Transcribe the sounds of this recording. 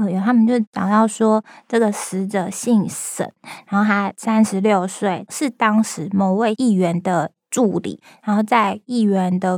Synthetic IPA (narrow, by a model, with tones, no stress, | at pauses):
ə˥˧jo˨˩t̪ʰa˥mə˨nt͡ɕjo˥˧ʊ˥˩t͡ɕɑ̰˨˩ŋt̪ɑ˥˩ʊʂwɔ˥ʈ͡ʂɤ˥˩ɡə˩ʂɻ̩˧˥ʈ͡ʂə˨˩ɕi˥˩ŋsə̰˨˩˦nɻaa˧˥nxo˥˧t̪ʰa˥sa˦˥nʂɻ̩˧˦ljo˥˧ʊswe˥˩ɪʂɻ̩˥˩t̪ɑ˥ŋʂɻ̩˧˥˦mɔ˨˩ʊwe˥˧ɪʔi˥˩ɥɛ˧˦˥nd̪ə˧ | ʈ͡ʂu˥˩lḭ˨˩˦ɻa˧˥nxo˥˧ʊt͡sa˥˧ɪi˥˩ɥɛ˧˦˥nd̪ə˧